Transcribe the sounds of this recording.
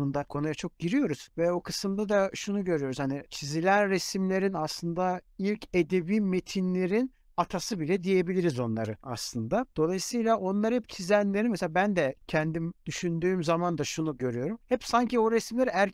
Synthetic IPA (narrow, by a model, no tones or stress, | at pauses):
und̪akʰo̞nujat͡ʃʰok̚ɟiɾijo̞ɾuz̥vɛo̞kʰɯsɯmd̪ad̪aʃunuɟø̞ɾyjo̞ɾuz̥hanit͡ʃʰizilʲænɾesimlʲe̞ɾinaslˠɯnd̪ailʲcʰe̞d̪e̞viːme̞t̪ʰinlʲe̞ɾin | at̪ʰasɯbilʲɛd̪ije̞bilʲiɾizo̞nlˠaɾɯa̰slˠɯnd̪ad̪̥o̞lˠajɯsɯjlʲˠaʔo̞nlˠaɾɯhɛpt͡ʃʰizænʲeɾinmeseabænd̪ɛcʰɛnd̪imd̪̥yʃynd̪yːmzamand̪aʃunuɟø̞ɾyjo̞ɾumhɛpsaɲcio̞ɾɛsimlʲæɾæɾ